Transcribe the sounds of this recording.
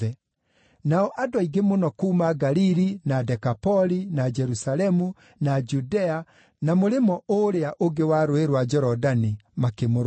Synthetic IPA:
ɛ | naɔʔadowaiɡemonɔkuːmaɡaliɾinadɛkapɔlinad͡ʒɛɾusalɛmu | nad͡ʒudɛa | namoɾemɔʔoɾeaʔoɡewaːɾoeɾwad͡ʒɔɾɔdanimakemoɾ

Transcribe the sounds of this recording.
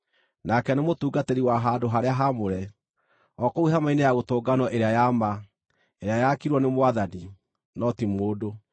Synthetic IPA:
nakɛnemotuːɡateɾiwaɦadoɦaɾeaɦamoɾɛ | ɔkouɦamainejaɣotoːɡanɔʔeɾeajama | eɾeajakiɾwɔnemowaðani | nɔtimoːdo

